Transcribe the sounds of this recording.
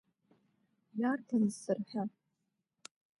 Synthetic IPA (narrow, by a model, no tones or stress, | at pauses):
jartʰanzsɨrħa